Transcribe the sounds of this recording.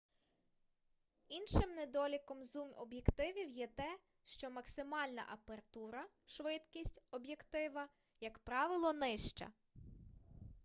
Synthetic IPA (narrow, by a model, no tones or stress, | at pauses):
inʃɪmned̪ɔlʲikɔmzumɔ̰bjekt̪ɪʋʲiwjɛt̪ɛ | ʃt͡ʃɔmɐksɪmɑlʲnɐ̰ʔɐpert̪uɾɐ | ʃʋɪt̪kʲisʲtʲɔbjekt̪ɪʋɐ | jɐkpɾɑʋɪlˠɔnɪʃt͡ʃɐ̰